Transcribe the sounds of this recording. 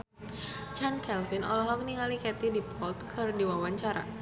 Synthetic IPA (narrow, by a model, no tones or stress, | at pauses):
t͡ʃankɛlfinɔ̰lɔɦɔk̚niŋalikɛt̪idipʰɔlt̪̚kʰɨrdiwawaɲt͡ʃaɾa̰